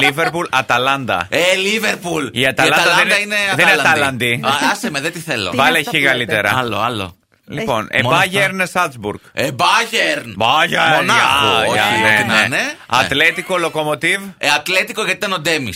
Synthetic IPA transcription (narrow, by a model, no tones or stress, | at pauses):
liveɾpulɐt̪ɐlɐnd̪ɐ̰eliveɾpuliɐt̪ɐlɐɐnɐld̪ɐɐðed̪ɐineɐðenɐt̪ɐlɐnd̪iɐsemeðet̪iθelo̰vɐleçikɐlit̪eɾɐ̰ɐlo̰ɐlo̰ | lipo̞nḛbɐʝeɾnesɐlt̪zbuɾɡebɐʝeɾnbɐʝemonɐɐoɐineeineneɐt̪let̪ikolo̞ko̞mo̞t̪iveɐt̪let̪ikoʝɐt̪it̪ɐnod̪e̞mis